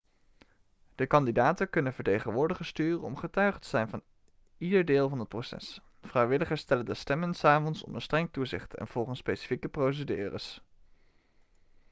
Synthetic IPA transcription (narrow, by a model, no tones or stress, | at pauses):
d̥əkɑndidaːtəkɵnənvəɹtejχənʋʊːɹdəχəstyːrəɔmχətœɥχətəz̥ɛjnvɑn | idəɹdɪːlˠvɑnɦət̚prowsɛ̰s | frɛjʋɪləχəɹstɛləndəstɛmənsaːvɔnsɔ̰mənstrɛŋtuzɪ̰χtɛ̰nv̥ɔlˠχənspejsi̥fikəprows̬ədy̰ːrə̰s